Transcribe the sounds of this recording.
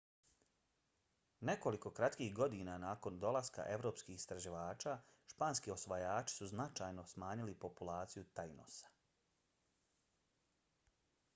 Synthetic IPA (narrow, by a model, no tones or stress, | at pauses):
ne̞ko̞liko̞kɾat̪kiːxɡo̞d̪iːnanaːko̞nd̪o̞lˠaska̰ʔe̞ʋɾo̞ːpskixi̥st̪ɾaʒiʋaːt͡ʃaːʃpaːnskio̞sʋajaːt͡ʃi̥suznat͡ʃaːjno̞smaːɲilipo̞pulaːt̪sijut̪ajno̰sḁ